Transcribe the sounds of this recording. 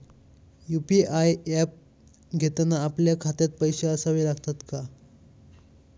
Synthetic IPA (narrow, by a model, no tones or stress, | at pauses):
jupiajɛp̚ | ɡʱet̪anaːpljakʰat̪at̪̚pəjɕeəsaʋilaɡt̪at̪ka